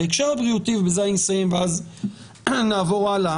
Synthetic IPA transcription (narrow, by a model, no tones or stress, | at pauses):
ekʃaʁbʁijutivbezajnisajimveaz | naːvoʁala